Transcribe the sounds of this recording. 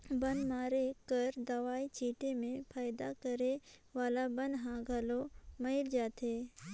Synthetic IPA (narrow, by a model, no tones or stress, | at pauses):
bɐnmaːɾekəɾd̪ɐʋaːit͡ʃiːʈemẽpʰaːɪd̪akəɾeʋaːlabə̃nd̪ɦãɡʱɐlomɐɪld͡ʒaːt̪ʰeː